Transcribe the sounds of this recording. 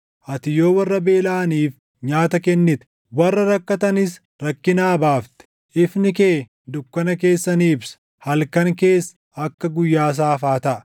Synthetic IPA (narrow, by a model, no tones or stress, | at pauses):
ʔɐt̪ɪjo̞ːwɐrːɐbe̞ːlaːniːf | ɲaːt̪ɐkɛnːɪt̪ | wɐrːɐɾɐkːɐt̪ɐnɪs | ɾɐkːɪnaːbaːft̪ɛ̥ | ʔɪfnɪkeː | d̪ʊkːɐnɐke̞ːsːɐniːbs | hɐlkɐŋke̞ːs | ɐkːɐɡʊjːaːs̬aːfaːt̪ɐʔ